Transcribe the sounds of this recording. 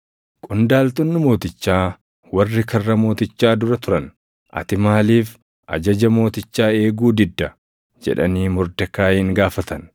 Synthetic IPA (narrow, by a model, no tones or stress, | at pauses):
kʼʊnd̪aːlt̪ɔnːɪmo̞ːt̪ɪt͡ʃːaː | wɐrːɪkʰɐrːɐmo̞ːt̪ɪt͡ʃːaːd̪ʊɾɐt̪ʊɾɐn | ʔɐ̰t̪ɪmaːliːf | ʔɐ̰d͡ʒɐd͡ʒɐmo̞ːt̪ɪt͡ʃːaːe̞ːɡuːd̪ɪd̪ːɐ | d͡ʒɛ̰ᶑɐ̰niːmɔɾd̪ɐkaːjiːŋɡaːfɐt̪ɐn